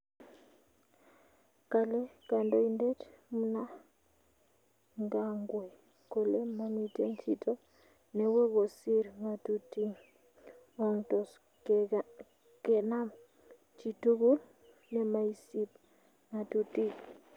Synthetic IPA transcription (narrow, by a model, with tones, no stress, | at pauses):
ka˨le˦ka˨ndo˦inde˦tmu˦na˦ | ŋɡa˦ŋɡwe˨ | ko˨le˦ma˦mi˨te˦ŋt͡ʃi˦to˦ | nɛ˨we˦ɡo˨si˦ɾŋa˨tuti˦ŋ | ɔ˦ŋtɔ˨s | kɛ˨na˦m | t͡ʃi˨tu˦ɡu˦l | nɛ˨ma˦i˦si˦p̚ | ŋa˨tuti˦